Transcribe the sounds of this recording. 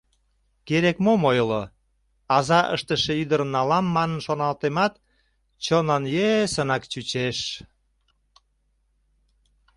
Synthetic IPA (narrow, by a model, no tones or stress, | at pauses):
keɾekmomojlo | ɑzɑʔə̰ʃt̪əʃeyd̪əɾənːɑlɑmːɑnənʃonɑlt̪emɑt̪ | t͡ɕonɑnjesənɑkt͡ɕyt͡ɕeʃ